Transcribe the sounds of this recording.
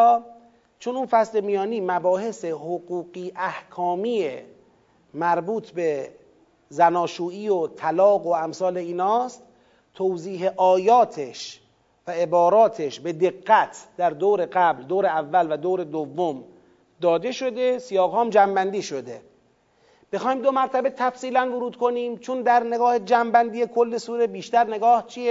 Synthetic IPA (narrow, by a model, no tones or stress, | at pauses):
t͡ʃʰonunfæsle̞mijɒːniːmæbɒːhe̞sehoɡuːɡiːʔæhkʰɒːmiːe | mæɾbuːt̪ʰbe | zænɒːʃuːiːot̪ʰælɒːɡoæmsɒːle̞iːnɒːst̪ | t̪ʰowziːɦeʔɒːjɒːt̪ʰeʃ | væe̞bɒːɾɒːt̪ʰeʃbe̞d̪e̞ɡːæt̪ʰd̪æɾd̪oːɾe̞ɡæbld̪oːɾeævːælvæd̪oːɾe̞d̪ovːom | d̪ɒːd̪e̞ʃo̞d̪e̞sijɒːɣhɒːmd͡ʒæmbænd̪iːʃod̪e̞ | b̥exɒːhiːmd̪o̞mæɾt̪ʰæbet̪ʰæfsiːlænvoɾuːd̪̚kʰo̞niːmt͡ʃʰond̪æɾneɡɒːhed͡ʒæmbænd̪iːjekʰolːe̞suːɾebiːʃt̪æɾne̞ɡɒːht͡ʃʰije